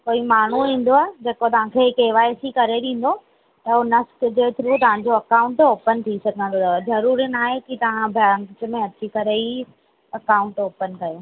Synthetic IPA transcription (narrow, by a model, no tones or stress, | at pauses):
koːimaːɳ̤uɦĩːn̆d̪oaːɦed͡ʑekot̪ɐʋ̤ãkʰeːkeːʋaːesikɐɾeɗẽːn̆d̪o | t̪ɐɦonɐskd͡ʑeːt̪ʰɪɾut̪ɐʋ̤ãɲd͡ʑoɐkaːʊ̃ɳʈoːpənt̪ʰisɐɡʱə̃nd̪ozɐɾuːɾinaːɦekit̪ɐʋ̤ãbʱjaːnt͡ɕ̆mẽɐt͡ɕikɐɾei | ɐkaːʊ̃ɳʈoːpənkɐjoː